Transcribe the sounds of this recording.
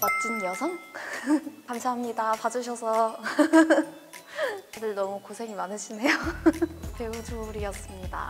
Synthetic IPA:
mat̚t͡ɕ͈injʌsʰʌŋ | kamsʰaɦamɲidapad͡ʑuɕʰʌsʰʌ | adɯɭnʌmukosʰe̞ŋimanɯɕʰine̞jo | keut͡ɕoɾijʌs͈ɯmɲida̰

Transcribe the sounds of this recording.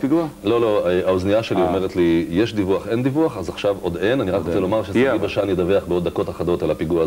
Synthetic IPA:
piɡualo̞lo̞aoznijaʃe̞liome̞ʁet̪lijeʃd̪ivuaχe̞nd̪ivuaχazaχʃavo̞d̪e̞naniʁakkʁott͡selo̞maʁʃesibeʃanjed̪aveaχbeo̞d̪ːako̞taχado̞talapiɡua

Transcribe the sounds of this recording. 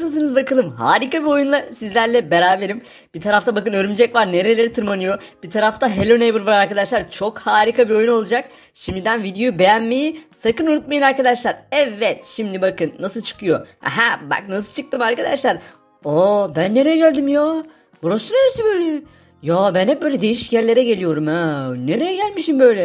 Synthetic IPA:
ɯns̬ɯnɯzbakɯlˠɯmɦa̰ːɾikabio̞junlˠasizlʲæɾlʲɛbeɾaːbe̞ɾim | b̥it̪ʰaɾaft̪ʰabakɯnøɾymd͡ʒɛcvaɾne̞ɾe̞lʲe̞ɾit̪ʰɯɾmanɯjo̞b̥it̪ʰaɾaft̪ʰaɦelʲonejbɯɾvaɾaɾkad̪aʃlˠaɾt͡ʃʰo̞khaːɾikʰabio̞juno̞lˠud͡ʒak̚ | ʃimd̪id̪ænvid̪ejojubejænmejisakɯnuɾut̪̚majɯnaɾkad̪aʃlˠaɾɛvːɛt̪ʃimd̪ibakɯnːasɯlˠt͡ʃʰɯ̥kʰɯjo̞̰ɦæba̰knasɯlˠt͡ʃʰɯ̥k̚t̪ɯmaɾkad̪aʃlˠaɾ | obænːe̞ɾejɛɟælʲd̪imjaː | buɾasuneɾesibøjlʲɛ | jaːbænɦɛp̚bøjlʲɛd̪e̞jiʃjæɾlʲe̞ɾɛɟe̞lʲijo̞ɾumaneɾe̞jɛɟælʲmiʃimbøjlʲɛ

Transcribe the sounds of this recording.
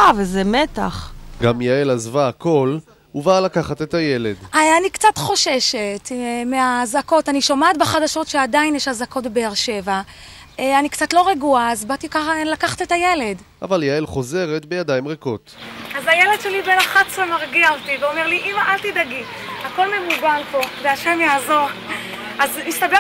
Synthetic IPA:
avezemet̪aχɡamjaelazvaːko̞l | uvaːlakaχat̪etaje̞le̞danikt͡satχo̞ʃe̞ʃetmeazako̞taniʃomaːtbeχadaʃo̞tʃeadainjeʃhazako̞tbe̞ːʁʃe̞va | anikt͡satlo̞ʁeɡuaːzbat̪ikaχlakaχḁtetaje̞le̞d | ʔa̰valjaelχo̞ze̞ʁet̪bejadajimʁeko̞t̪ʔazajeledʃelibenaχatsemaʁɡialtiveo̞meʁliʔimaʔalt̪id̪aɡihako̞lmevuɡalpo̞veaʃemjaːzo̞ʁ | azmist̪abe

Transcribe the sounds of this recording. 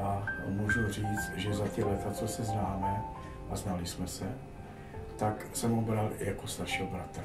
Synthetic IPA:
amuʒur̝iːt͡st̪ʒɛzat̪ɛlɛt̪at͡sosɛznaːmɛ | ʔaznalɪsmɛsɛ | t̪ak | sɛmobɾaljakost̪aɾʃiːɦobɾat̪ɾa

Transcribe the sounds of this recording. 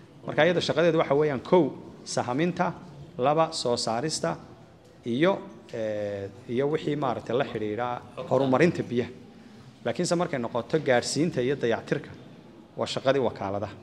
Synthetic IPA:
mɐrkʰaːɪjɐðɔʃɑqɑðɛːðʊwɑħɑwɛːjaːŋkʰɔwsɐɦmɪnt̪ʰɐlɐβɐsɔːsaːɾɪst̪ʰɐ | ijɔ | ijɔwɪħiːmaːɾɐk̚t̪ʰɛjlɐħɪɽiːɽaːhɔɾʊmɐɾɪnt̪ʰɐbijɐ | laːkʰɪnsɛmɐrkʰɛjnɔqɔt̪ʰɔɡaːrsiːnt̪ʰɐijɔd̪ɐjɑʕt̪ʰɪrkʰɐ | wʔɑ̰ːʃɑqɑðiːwɑːkʰa̰ːlɐðɐ

